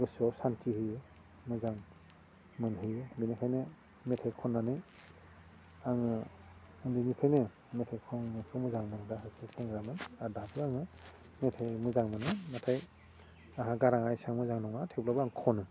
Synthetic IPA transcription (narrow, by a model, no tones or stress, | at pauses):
ɡɯsɔwsantʰihɯjɯ | mɯzaŋ | mɯnɦɯjɯbinipʰajnɯ | metʰajkʰɔnːanɯj | aŋɯ | ɯŋdinipʰajnɯ | metʰajkʰɔŋpʰɯmɯzaŋmɯnɾahɯsɯseŋɡɾamɯnadatʰɯaŋɯ | metʰajmɯzaŋmɯnɯmatʰaj | aɦaɡaɾaŋajsaŋmɯzaŋnɔŋatʰeplabɯaŋkʰɔnɯ